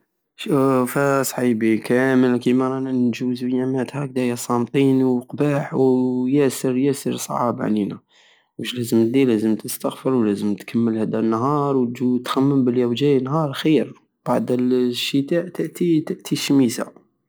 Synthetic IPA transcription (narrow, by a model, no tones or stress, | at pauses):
ʃufæsˤħibikʰæməlkimæɾˤɑnnʒuzwjæmæt̪hæk̚d̪æjæsˤɑmt̪ˤinwqbaħwjæsəɾjæsəɾsˤʕɑ̰bʕninæ | wəʃlæzəmt̪̚d̪ilæzəmt̪əst̪ɑɣfəɾwlæzəmt̪kʰəmːəlhæd̪ænːɦɑɾˤwt̪ʒut̪xæmːəmbəljæwd͡ʒæjnɦɑɾˤxiɾ | b̥aʕd̪əlʃət̪aʔt̪əʔt̪it̪əʔt̪ʰiʃmisa̰